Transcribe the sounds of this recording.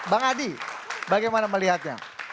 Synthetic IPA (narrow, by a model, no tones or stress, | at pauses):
baŋadibaɡajmanaməliɦat̪̚ɲa̰